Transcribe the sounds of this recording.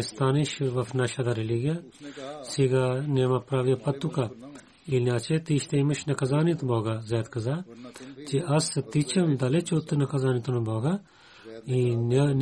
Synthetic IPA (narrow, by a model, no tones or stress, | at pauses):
st̪aːniʃʋɐfnɐʃɐd̪ɐɾiliɡijɐsiɡanemɐpɾaːʋjɐpɐt̪ːuka | ilniaːt͡ʃet̪iːʃt̪eimɐʃnɐkɐzaːnit̪boːɡazɛːt̪kɐzaːt͡ʃiɐsɐt̪it͡ʃʰɐmd̪ɐlet͡ʃot̪ːɨnɐkɐzaːnit̪unuboːɡa | inn